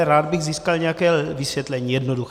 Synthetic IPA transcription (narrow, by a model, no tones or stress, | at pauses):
ɾaːd̪̚bɪɣziːskalɲɛjakɛːlvɪsʋjɛt̪lɛɲiːjɛdnodux